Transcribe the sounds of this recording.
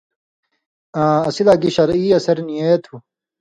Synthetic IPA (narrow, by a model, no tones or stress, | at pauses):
ãːɐsilaːɡiɕɐɾiːɐsɐɾnijet̪ʰu